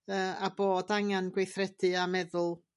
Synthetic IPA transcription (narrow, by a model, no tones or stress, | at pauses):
əːaboːdaŋanɡwejθrɛd̥ɨamɛðʊlˠ